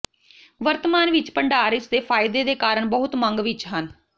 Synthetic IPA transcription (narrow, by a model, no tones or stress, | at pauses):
ʋəɾt̪əmaːnʋɪt͡ʃpəɳɖaːɾɪsd̪eːpʰaːɪd̪eːd̪eːkaːɾəɳbəɦʊt̪mə̃ŋɡʋɪt͡ʃɦən